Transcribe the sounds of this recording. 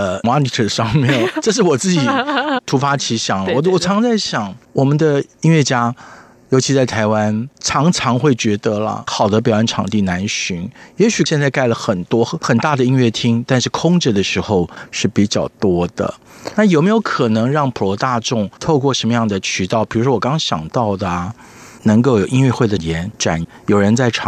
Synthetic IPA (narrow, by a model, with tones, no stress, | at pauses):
ə˧mɑ˥ni˧˥t̪ʰə˨˩ʂɑ˥ŋmjɛ˥˩nʈ͡ʂɤ˥˧ʂ̬ɻ̩˥˩wɔ˨˩t͡sɹ̩˥˩t͡ɕi˨˩t̪ʰu˧˥fa˥t͡ɕʰi˧˥ɕjɑ˨˩ŋwɔ˨˩wɔ˨˩t͡sʰɑ˧˥ŋt͡sa˥˩ɪɕjɑ˨˩˦ŋwɔ˨˩mə˨˦nd̪ə˧i˥ŋɥɛ˥˩t͡ɕja˥ | jo˧˥ʊt͡ɕʰi˧˥t͡sa˥˩ɪt̪ʰa˧˥ɪwa˥nʈ͡ʂʰɑ˧˥ŋʈ͡ʂʰɑ˧˥ŋxwe˥˩ɪt͡ɕɥɛ˧˥d̪ə˧lə̰˨xɑ˨˩ʊd̪ə˦˥pjɑ˨˩ə˥˩nʈ͡ʂʰɑ̰˨˩ŋt̪i˥˩na˧˥nɕy˧˥njɛ˧˥ɕy˨˩ɕjɛ˥˧nt͡sa˥˧ɪka˥˩ɪlə˩xə˨˩nt̪wɔ˥xə˨˩nt̪a˥˩d̪ə˩i˥ŋɥɛ˥˩t̪ʰi˥ŋt̪a˥˧nʂɻ̩˥˩kʰʊ˥ŋʈ͡ʂə˨d̪ə˩ʂɻ̩˧˥xo˥˧ʊʂɻ̩˥˩pi˨˩t͡ɕjɑ˥˩ʊt̪wɔ˥d̪ə̰˨ | na˥˩jo˨˩ʊme˧˥ɪjo˧˥ʊkʰɤ˨˩nɤ˧˥ŋɻɑ˥˩ŋpʰu˨˩lɔ˧˥t̪a˥˧ʈ͡ʂʊ˥˧ŋt̪ʰo˥˧ʊkwɔ˥˩ʂə˧˥nmə˧jɑ˥˩ŋd̪ə˩t͡ɕʰy˧˥t̪ɑ˥˩ʊpi˨˩ɻu˧˥ʂwɔ˥wɔ˨˩kɑ˥ŋɕjɑ̰˨˩ŋt̪ɑ˥˩ʊd̪ə˩ | nɤ˧˥ŋko˥ʊjo˨˩ʊʔi˥ŋɥɛ˥˧xwe˥˩ɪd̪ə˩jɛ˧˥nʈ͡ʂa̰˨˩n | jo˨˩ʊɻə˧˥nt͡sa˥˩ɪʈ͡ʂʰɑ˨